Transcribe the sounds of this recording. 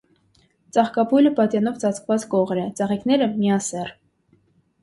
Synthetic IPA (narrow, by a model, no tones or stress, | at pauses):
t͡sɑχkɑpujləpɑt̪jɑnɔvt͡sɑt͡sʰkvɑt͡skɔʁɾɛt͡sɑʁiknɛɾəmiɑsɛr